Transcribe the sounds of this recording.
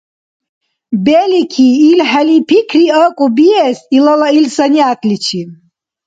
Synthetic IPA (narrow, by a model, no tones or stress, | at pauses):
bɛlikʰiːlħalipʰikʰriəkʼubiɛsilalailsaniat̪ʼlit͡ʃʰi